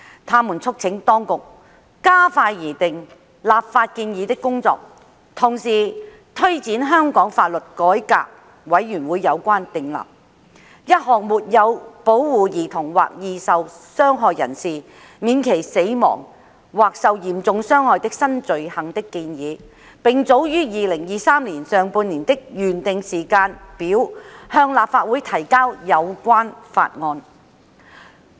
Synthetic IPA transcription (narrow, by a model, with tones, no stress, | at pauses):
t̪ʰaː˥muː˨˩nt͡sʰʊ˥k̚t͡sʰɪ˨˥ŋt̪ɔː˥ŋkʊ˨k̚ː | aː˥faː˧jːiː˨˩t̪ɪ˨ŋ | laː˨p̚faː˧t̚kiː˧njiː˨˧t̪ɪ˥kːʊ˥ŋt͡sɔ̰ː˧k̚ | t̪ʰʊ˨˩ŋsiː˨˩ | t̪ʰɵ˥ɥt͡siː˨˥nɦœː˥ŋkɔː˨˥ŋfa̰ː˧t̚lɵ˨t̚kɔː˨˥jka̰ː˧k̚ | wɐ˨˥jːyː˨˩nwuː˨˧jːɐ˨˧wkʷaː˥nt̪ɪ˨ŋla̰ː˨p̚ | jɐ˥t̚ɦɔː˨˩ŋmuː˨t̚jɐ˨˧wpo˨˥wwuː˨jiː˨˩t̪ʰʊ˨˩ŋwa̰ː˨k̚jiː˧sɐ˨wsœː˥ŋɦɔː˨jːɐ˨˩nsiː˨ | miː˨˧nkʰe˨˩jse˨˥jmɔ̰ː˨˩ŋ | waː˨k̚sɐ˨wjiː˨˩mt͡sʊ˨˧ŋsœː˥ŋhɔː˨˧jt̪ɪ˥k̚sɐ˥nt͡sɵ˨˧ɥhɐ˨ŋt̪ɪ˥kːiː˧njiː˨˧ | pɪ˨ŋt͡so˨˥wjyː˥jiː˨lɪ˨˩ŋjiː˨˧saː˥mliː˨˩nsœː˨˧ŋpuː˧niː˨˩nt̪ɪ˥k̚jyː˨˩nt̪ɪ˨˧ŋsiː˨˩kaː˧npiː˨˥whœː˧ŋlaː˨p̚faː˧t̚wuː˨˥jt̪ʰɐ˨˩jkaː˥wjɐ˨˧wkʷaː˥nfa̰ː˧t̚ŋɔː˧n